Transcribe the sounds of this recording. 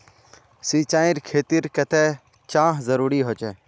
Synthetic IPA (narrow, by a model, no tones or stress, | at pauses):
siːt͡ʃãːɪ̃ɾkʰeːt̪iːɾkət̪ʰɛː | t͡ʃãːɦzəɾuːɾiːɦoːt͡ʃɛː